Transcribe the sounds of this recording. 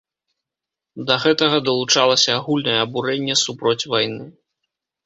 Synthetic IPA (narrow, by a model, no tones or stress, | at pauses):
d̪ɐɣɛt̪ɐɣɐd̪ɐlˠut͡ʂalˠɐsʲɐːɣulʲnɐjɛːbuɾɛnʲːɛsupɾɔt͡sʲvajnɨ